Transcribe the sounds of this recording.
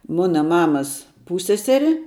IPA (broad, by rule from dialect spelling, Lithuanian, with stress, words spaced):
ˈmʊnɐ ˈmɑːmɐs ˈpuːsʲsʲɛˌsʲæːrʲɪ